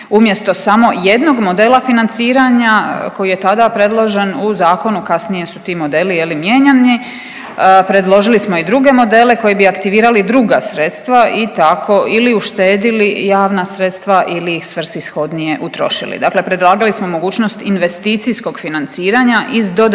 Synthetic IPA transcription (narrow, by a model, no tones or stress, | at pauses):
umje̞st̪o̞samo̞je̞d̪no̞ɡmo̞d̪e̞ːlˠafinant̪siːɾaɲako̞jijet̪ad̪apɾe̞d̪lˠoʒe̞nuzaːko̞nukasnije̞sut̪iːmo̞d̪e̞ːlijelimjeːɲani | pɾe̞d̪lˠo̞ʒilismo̞id̪ɾuɡe̞mo̞d̪e̞le̞ko̞jebiakt̪iʋiːɾalid̪ɾuɡasɾe̞t̪st̪ʋaʔit̪akʰo̞ʔiliuʃt̪e̞ːd̪ilijaːʋnasɾe̞t̪st̪ʋaʔiliisʋr̩sisxo̞d̪nije̞ʔut̪ɾo̞̰ʃḭlḭd̪akle̞pɾed̪lˠaːɡalismo̞mo̞ɡuːt͡ɕno̞st̪inʋe̞st̪iːt̪sisko̞ɡfinant̪siːɾaɲaʔizd̪o̞d̪